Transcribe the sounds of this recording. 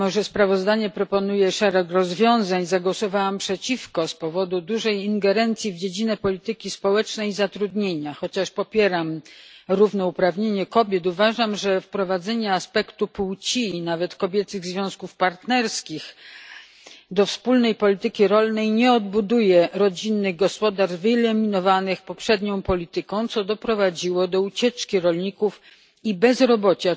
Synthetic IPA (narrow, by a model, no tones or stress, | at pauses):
mɔʐɛspɾavɔzd̪aɲɛpɾɔpɔnujɛʂɛɾɛkɾɔzvʲjɔ̃w̃zaɲzaɡwɔsɔvawampʂɛt͡ɕifkɔspɔvɔd̪ud̪uʐɛjiŋɡɛɾɛnt̪sʲjivd͡ʑed͡ʑinɛpɔlʲit̪ɘkʲispɔwɛt͡ʂnɛjizat̪ɾud̪ɲeɲaxɔt͡ɕaʂpɔpʲjɛɾamɾuvnɛupɾavɲeɲɛkɔbʲjɛt̪uvaʐamʐɛfpɾɔvad̪zɛɲɛaspɛkt̪upuwt͡ɕiːnavɛt̪kɔbʲjɛt̪sɘɣzvʲjɔ̃w̃skufpaɾt̪nɛɾskʲix | d̪ɔfspulnɛjpɔlʲit̪ɘkʲiɾɔlnɛjɲɛɔd̪̚bud̪ujɛɾɔd͡ʑinːɘɣɡɔspɔd̪aʐvɘilɛmʲinɔvanɘxpɔpʂɛd̪ɲɔ̃w̃pɔlʲit̪ɘkɔ̃w̃t̪sɔd̪ɔpɾɔvad͡ʑiwɔd̪ɔut͡ɕɛt͡ʂkʲiɾɔlɲikuf | ibɛzɾɔbɔt͡ɕa